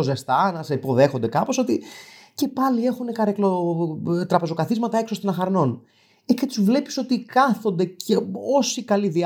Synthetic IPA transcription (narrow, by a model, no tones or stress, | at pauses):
ozest̪ɐnɐsipo̞ðe̞xo̞nd̪ekɐpo̞so̞t̪ice̞pɐlie̞xune̞kɐɾeklo | t̪ɾɐpe̞zo̞kɐθizmɐt̪ɐe̞kso̞st̪inɐxɐɾno̞n | ecet̪uzvle̞pi̥so̞t̪ikɐθo̞nd̪e̞cʰeo̞sikɐliði